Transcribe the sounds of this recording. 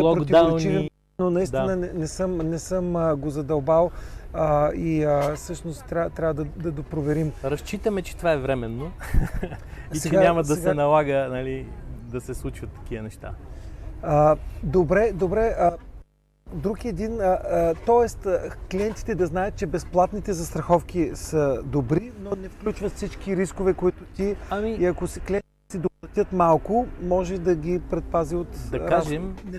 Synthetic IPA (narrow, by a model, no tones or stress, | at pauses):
ɛlˠɔpɾod̪iaoɾilt͡ʃniiv | nonɐist̪d̪inənɛnɛsɤmnɛsɤmɡozɐd̪ɐlˠbalˠəiəsɤʃnost̪ːɾʲat̪ɾʲavəd̪ɐd̪ɐd̪opɾovɛɾimɾɐst͡ʃit̪əmɛt͡ʃɛ̥t̪ovaɛvɾɛmɛnːo | isɛt͡ʃɛɡaɲʲamɐd̪sɐɛsɡɛnɐlˠaɡənɐlid̪ɐsɛslˠut͡ʃvɐt̪ːɐ̥k̟iənɛʃt̪a̰ | əd̪obɾɛd̪obɾɛə | d̪ɾukiɛd̪inət̪ɔɛst̪kliɛnt̪i̥t̪ɛd̪ɐznajət̪̚t͡ʃɛbɛsplˠat̪nit̪ɛzɐst̪ɾɐxɔfkisəd̪obɾinonɛfklʲut͡ʃvət̪fsit͡ʃkiɾiskovɛkoit̪ʊt̪iɐmiiɐkoskliɛnt̪it̪ɛsid̪oplˠɐt̪ʲɤt̪malˠkʊmɔʒɛd̪ɐɡʲipɾɛt̪̚paziot̪d̪ɐɾaaʒɛm